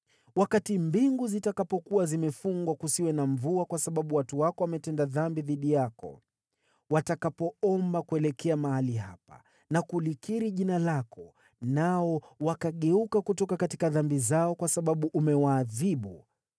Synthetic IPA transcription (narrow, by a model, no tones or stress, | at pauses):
wakatimbiŋɡuzitakapɔkuwazimɛfuŋɡwakusiwɛnaɱvuakwasaɓaɓuwatuwakɔwamɛtɛndaðambiðiɗijakɔ̰ | watakapɔɔmbakuɛlɛkʰɛamaɦaliɦa̰pa̰ | nakulikiɾiʄinalakɔ | naɔwakaɠɛukakutɔkakatikaðambizaɔkwasaɓaɓuʔumɛwaːðiɓṵ